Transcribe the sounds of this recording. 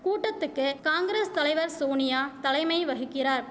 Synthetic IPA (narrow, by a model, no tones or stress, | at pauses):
kuːʈːɐt̪ːɯkːɯkaːŋɡɪɾeːst̪ɐlɐɪʋɐɾsoːnɪjaːt̪ɐlɐɪmɐɪʋɐɣɯkːɪraːɾ